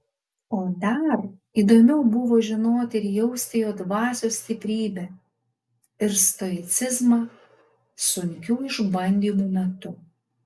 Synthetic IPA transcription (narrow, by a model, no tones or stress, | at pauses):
oːd̪ɐɾ | iːd̪oːmʲɛʊbʊʋoːʒʲɪnoːt̪ʲɪɾjɛʊsʲt̪ʲejoːd̪ʋɑːsʲoːsʲt̪ʲɪpʲɾʲiːbʲɛ | ɪɾst̪ɔɾʲɪt̪sʲɪzmɑ | sʊŋʲkʲuːɪʒbɐnʲd̪ʲiːmuːmʲɛt̪ʊ